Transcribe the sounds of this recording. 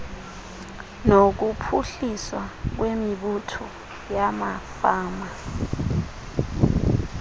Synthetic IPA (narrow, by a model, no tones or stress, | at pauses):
nok̬upʰuɬiswak̬wemiɓutʰɔ | jamafaːma